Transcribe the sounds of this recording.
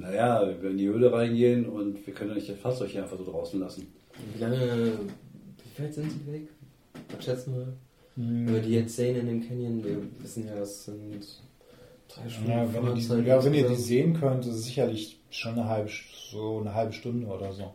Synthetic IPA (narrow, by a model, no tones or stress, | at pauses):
najaːvɪndiːhøːləʁaɪnɡeːənʊntv̥iːɐkʰœnəndanɪçtɛfasɔçəaɪnfaz̥oːdʁaʊsn̩lasn̩ | viːlaŋə | v̥ifɛɪtz̥ɪntz̥iːvɛk | ʔapʃɛt͡səmaːl | m̩iɐdiːjɛt͡sz̥eːənɪndeːmkʰɛnjənviːɐvɪsn̩jaːɛsz̥ɪnt | d̥ʁaɪʃjaːfvɛniɐdiːajaːvɛniːɐdiːzeːənkʰœntɪsz̥ɪçɐlɪç | ʃoːnːəɦalbəʃzoːnəɦalbəʃtʊndəoːdɐzoː